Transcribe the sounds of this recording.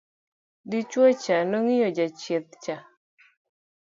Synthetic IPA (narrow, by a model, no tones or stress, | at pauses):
dit͡ʃwɔt͡ʃanɔŋɪjɔd͡ʒat͡ʃet̚t͡ʃa